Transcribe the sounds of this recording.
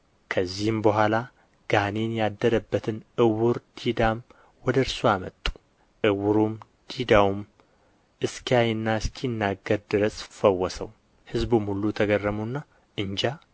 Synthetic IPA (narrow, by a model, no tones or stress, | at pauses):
kʰəzːihɨmbəɦʷala | ɡ̥anenjad̪ːəɾəbːət̪ʰɨnʔɨwʊɾd̪̥id̪am | wɔd̪əɾsoamə̰t̪ʼːu̥ | ʔɨwʊɾum | d̪̥id̪awum | ʔɨskʰijajɪnːaɨskʰinːaɡəɾd̪ɨɾəsʼfəwːɔsə̰w | hɨzbumhulːut̪ʰəɡərːəmunːa | ʔɨɲd͡ʒa